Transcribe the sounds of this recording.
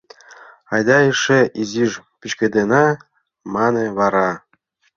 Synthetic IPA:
ɑjd̪ɑeʃeiziʒpʲit͡ɕkʲĕd̪enɑ | mɑnĕβɑɾɑ

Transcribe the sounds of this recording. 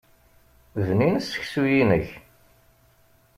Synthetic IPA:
ðninəsːə̥çsujinəç

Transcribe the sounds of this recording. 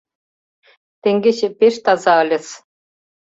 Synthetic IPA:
t̪ĕŋɡʲĕɕɘ̆pʲeʃt̪ɑzɑɤ̆lʲɘ̆s

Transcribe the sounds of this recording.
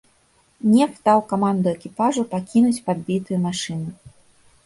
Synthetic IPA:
nʲɛxt̪awkamand̪uɛkʲipaʐupakʲinut͡sʲpad̪̚bʲit̪ɨjumaʂɨnɨ

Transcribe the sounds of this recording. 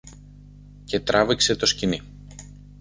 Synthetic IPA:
ce̞t̪ɾɐvikse̞t̪o̞scini

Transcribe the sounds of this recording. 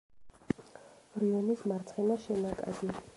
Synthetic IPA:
ɾiɔnismaɾt̪sʰχɛnaʃɛnakʼa̰d̪i

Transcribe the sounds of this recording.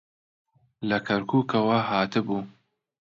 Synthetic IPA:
lɐkʰɐɾkʰuːkʰɐwɐhaːt̪ɨbuː

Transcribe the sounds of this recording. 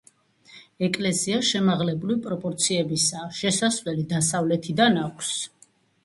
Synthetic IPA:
ɛkʼlɛsiaʃɛmaʁlɛbulipʼɾɔpʼɔɾt̪sʰiɛbisaʃɛsasvɛlid̪asavlɛt̪ʰid̪anakʷʰs

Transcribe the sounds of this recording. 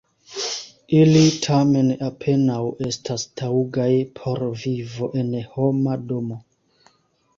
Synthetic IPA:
ilitʰame̞napʰe̞nawe̞stʰastʰauɡajpʰo̞ɾvivo̞ʔe̞nho̞mado̞mo̞

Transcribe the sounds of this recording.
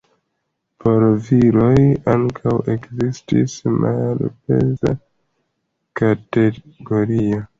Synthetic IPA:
pʰoɾviɾo̞jaŋkʰawe̞kzistḭsmʔalpḛza̰ | kate | ɡoɾio

